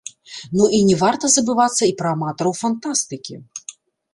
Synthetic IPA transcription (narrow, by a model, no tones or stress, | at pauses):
nuʔinʲɛvart̪ɐzɐbɨvat̪sːɐipɾɐːmat̪ɔɾɐwfant̪ast̪ɨkʲḭ